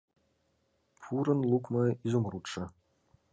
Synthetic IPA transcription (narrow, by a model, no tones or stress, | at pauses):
pʰuɾənlˠukʷmɐizumruʈ͡ʂɐ